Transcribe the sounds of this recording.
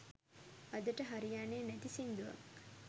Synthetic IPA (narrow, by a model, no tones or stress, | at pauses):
ɐd̪əʈəɦaɾijaːneːnæt̪isind̪uʋɐ̰